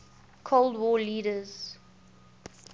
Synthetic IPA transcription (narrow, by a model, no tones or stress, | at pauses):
kʰolˠdwɔːliːɾəz̥